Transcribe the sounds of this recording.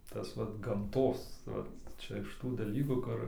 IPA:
ˈtɐs ˈʋɐt ɡɐmˈtoːs ʋɐt ˈt͡ʃʲɛ ɪʃ ˈtuː dɐˈlʲiːkuː ˈkʊr

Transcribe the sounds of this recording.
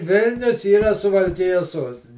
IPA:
ˈʋʲɪlʲnʲʊs iːˈrɐ sʊʋɐlʲˈkʲɪjɛs ˈsuɔsʲtʲɪnʲɪ

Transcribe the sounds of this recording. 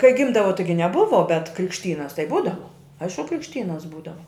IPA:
kɐɪ ˈɡʲɪmdɐʋoː ˈtɐɪɡʲɪ nʲɛˈbʊʋoː bʲɛt krʲɪkʃʲˈtʲiːnɐs tɐɪ ˈbuːdɐʋoː ˈɐɪʃkʊ krʲɪkʃʲˈtʲiːnɐs ˈbuːdɐʋɐ

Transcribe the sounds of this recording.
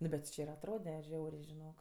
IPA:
ˈnʊ bʲɛt tʲɪ ˈt͡ʃʲɪ ɪr ɐtˈroːdʲɛ ˈʒʲɛʊrʲeː ʒʲɪˈnoːk

